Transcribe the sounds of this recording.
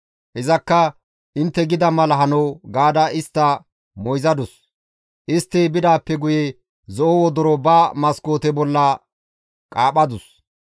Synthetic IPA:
hɛzɐkːɐ | ʔɪnt̪ːɛɡɪd̪ɐmɐlɐɦɐnɐwɡaːd̪ɐɪst̪ːɐ | mɔjzɐd̪ʊs | ʔɪst̪ːɛbɪd̪aːpːɛɡʊje | zɔʔowɔd̪ɔɾɔbaːmɐsko̞ːt̪ɛbɔlːɐ | kʼaːɓɐd̪ʊs

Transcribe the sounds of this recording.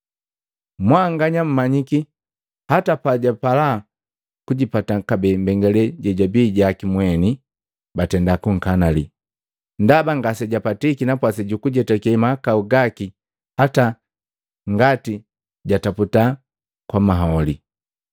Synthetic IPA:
mwaŋɡaɲam̩maɲiki | hatapaɟapala | kuɟipatakabɛmbɛŋɡɛlɛɟɛɟabiɟakimwɛni | batɛndakuŋ̩kanalḭ | ndabaŋɡasɛɟapatikinapwasɛɟukuɟɛtakimaakauɡaki | hata | ŋɡati | ɟataputa | kwamaɦɔli

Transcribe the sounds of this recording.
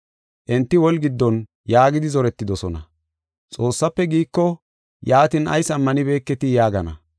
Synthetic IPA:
ʔɛnt̪ːɪwɔlɡɪd̪ːɔn | jaːɡɪd̪ɪzɔɾɛt̪ːɪd̪ɔsɔnɐ̰ | t͡sʼo̞ːsːɐpːɛɡiːkːɔ | jaːt̪ɪnɐ̰jsɐmːɐnɪbe̞ːkːɛt̪ɪjaːɡɐnɐ̰

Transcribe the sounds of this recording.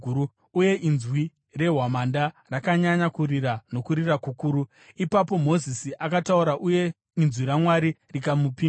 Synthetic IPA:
uu | uje̞ʔinzwi | re̞ɦwamanda | rakaɲaɲakuriɾano̞kuɾirakukuːɾu | ipapo̞mo̞zisiʔakatauɾaʔuje̞ | inzwiɾamwaɾirikamupi

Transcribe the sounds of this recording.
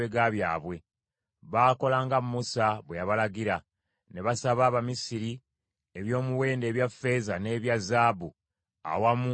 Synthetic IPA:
eɡaβjaːβwe̞ | βaːko̞laːŋɡammusaβwejaβalaɡiɾa | ne̞βasaβaːβamisiɾi | e̞βjo̞ːmuwe̞ːnde̞ːβjafe̞ːzane̞ːβjazaːbu | a̰wamu

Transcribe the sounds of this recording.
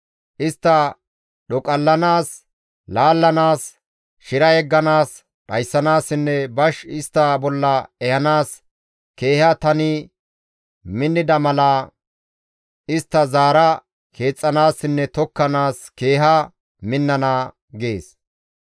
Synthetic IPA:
ʔɪst̪ːɐ | ɗɔkʼɐlːɐnaːs | laːlːɐnaːs | ʃɪɾɐjɛɡːɐnaːs | ɗɐjsːɐnaːsɪnːɛbɐʃɪst̪ːabɔlːɐɛhɐnaːs | ke̞ːhɐt̪ɐnɪ | mɪnːɪd̪ɐmɐla | ɪst̪ːɐzaːɾɐ | kʰe̞ːt͡sʼːɐnaːsːɪnːɛt̪ɔkːɐnaːske̞ːɦɐ | mɪnːɐna | ɡe̞ːs

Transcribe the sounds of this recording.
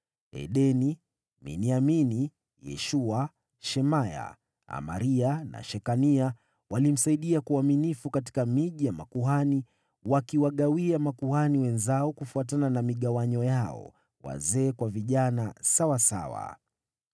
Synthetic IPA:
ɛ̰ɗɛni | mḭniamini | jɛ̰ʃua | ʃɛmaja̰ | a̰ma̰ɾiana̰ʃɛkania | walim̩saiɗiakuaminifukat̬i̥kamiʄijamakuɦani | wakiwaɠawiamakuhaniwɛnzaɔkufuatananamiɠawaɲɔjaɔ̰ | wa̰zɛːkwaviʄanasawasa̰wa̰

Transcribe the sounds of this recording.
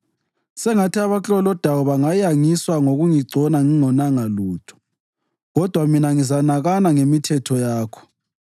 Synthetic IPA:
sɛŋatʰiaβat͡ɬʼɔlɔd̥ʱawɔβaŋajaŋiswaŋoɣuŋiɡ͡ǀʱɔnaŋiŋɔnaŋaluːtʰɔ̥ | ɣɔd̥ʱwaminaŋizanaɣanaŋemitʰɛtʰɔjaːkʰɔ̥

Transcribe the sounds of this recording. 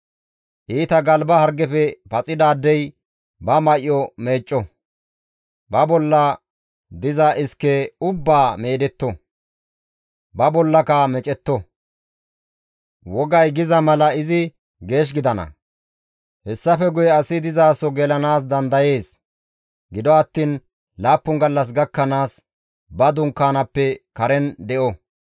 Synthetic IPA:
ʔiːt̪ɐɡɐlbɐhɐɾɡɛfɛpɐt͡sʼɪd̪aːd̪ːɛj | bɐmɐʔɪjɔme̞ːt͡ʃʼːɔ | bɐbɔlːɐ | d̪ɪzɐʔɪskːɛʊbːaːmeːd̪ɛt̪ːɔ | bɐbɔlːɐkɐmɛt͡ʃʼɛt̪ːɔ | wɔɡɐjɡɪzɐmɐlɐɪzɪ | ɡe̞ːʃ̬ɡɪd̪ɐnɐ̰ | hɛsːɐfɛɡʊjɛɐsɪd̪ɪzaːsɔɡɛlɐnaːs̬d̪ɐnd̪ɐje̞ːs | ɡɪd̪ɔɐt̪ːiːn | laːpːʊŋɡɐlːɐs̬ɡɐkːɐnaːs | bɐd̪ʊŋkːaːnɐpːɛkɐɾɛnd̪ɛʔɔ

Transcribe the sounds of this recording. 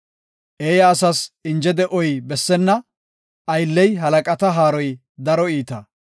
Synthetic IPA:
ʔeːjɐːsɐsɪnd͡ʒɛd̪ɛʔɔjbɛsːɛnːɐ | ʔɐjlːɛjɦɐlɐkʼɐt̪ɐɦaːɾɔj | d̪ɐɾɔiːt̪ɐ

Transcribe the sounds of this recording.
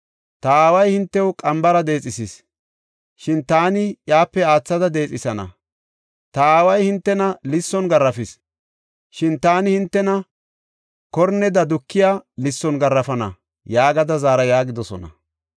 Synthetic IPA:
t̪ɐaːwɐjhɪnt̪ːɛwʊkʼɐmbɐɾɐd̪e̞ːt͡sʼɪsɪs | ʃɪnt̪aːnɪjaːpːɛaːt͡sːɐd̪ɐd̪e̞ːt͡sʼɪsɐnɐ̰ | t̪ɐaːwɐjhɪnt̪ːɛnɐlɪsːɔnɡɐrːɐfɪs | ʃɪnt̪aːnɪhɪnt̪ːɛnɐ | kɔɾnːɛd̪ɐd̪ʊkːɪjaːlɪsːɔnɡɐrːɐfɐnɐ̰ | jaːɡɐd̪ɐzaːɾɐjaːɡɪd̪ɔsɔnɐ̰

